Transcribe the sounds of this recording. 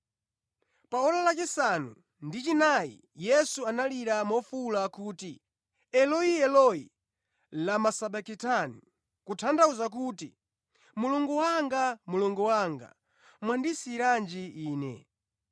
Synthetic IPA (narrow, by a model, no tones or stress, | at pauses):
paɔɾalat͡ʃisanṵ | ndit͡ʃinajḭ | jɛsuanaliɾamɔfulakuːti | ɛlɔiɛlɔḭ | lamasaɓakitani | kutʰandauzak̬uːti | muluŋɡuwaŋɡamuluŋɡɔwaŋɡa̰ | mwandisiːɾand͡ʒiiːnɛ̰